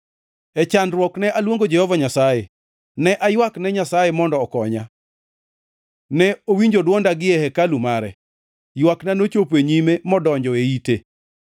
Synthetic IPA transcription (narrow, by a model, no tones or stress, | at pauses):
ɛt͡ʃandɾwɔknɛʔalwoŋɡod͡ʒɛhɔvaɲasaje | nɛʔajwaknɛɲasajemɔndɔːkɔɲa̰ | nɛowiɲd͡ʒodwɔndaɡɪɛhɛkalumaɾɛ̰ | jwaknanot͡ʃopeɲimemɔdɔɲd͡ʒɔeite